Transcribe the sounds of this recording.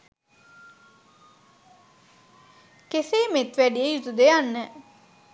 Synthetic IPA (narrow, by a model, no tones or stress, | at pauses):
keseːmet̪ʋæɖijejut̪ud̪ejanːə